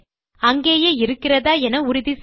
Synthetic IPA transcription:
ɐŋɡeːjeːɪɾɯkːɪrɐðaːɛnɐʊɾɪðis

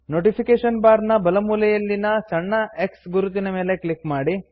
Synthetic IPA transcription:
noːʈipʰikeːʂɐnbaːɾnɐbɐlɐmuːlɐjɐlːinɐt͡ʃɐɳːɐeksɡuɾut̪̬inɐme̞ːleklikmaːɽi

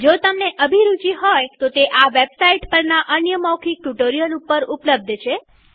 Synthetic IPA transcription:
d͡ʒot̪əmneʔəbʱiɾut͡ʃiɦojt̪ot̪eʔaʋebsaiʈpəɾnaʔənjəmɔkʰik̚ʈuʈoɾijəlupəɾupləb̚d̪ʱt͡ʃʰe

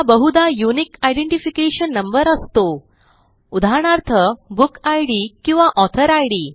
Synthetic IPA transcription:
abəɦud̪ajunikajɖeɳʈifikeɕənːəmbəɾəst̪o | ud̪ʱaɳaɾt̪ʰəbukajɽiːkĩw̃ʋaʔɔt̪ʰəɾajɽiː

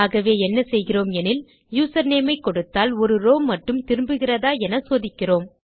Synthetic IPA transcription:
aːɣɐʋeːɛnːɐsɛjɣɪroːmɛnɪl | juːsɐɾneːmɐɪkːɔɽɯt̪ːaːlɔɾɯɾoːmːɐʈːɯmt̪ɪɾɯmbɯɣɪrɐðaːɛnɐsoːðɪkːɪroːm

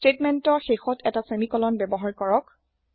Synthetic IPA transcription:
stɹetmɛntɔɹxexɔtʰɛtasemikɔlɔnbɛbɔɦaɹkɔɹɔk̚

